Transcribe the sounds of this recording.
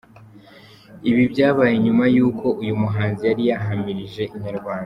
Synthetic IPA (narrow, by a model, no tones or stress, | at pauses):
iβibɟaːβaːjeɲumajuːkʰo̞ʔujumuɦaːnzijaɾijaɦamiɾiʒe̞ʔiɲaɾɡwaːnda